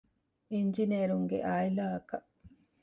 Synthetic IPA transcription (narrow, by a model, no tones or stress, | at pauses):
ind͡ʒineːɾuŋɡḛʔaːilaːɐkɐʔ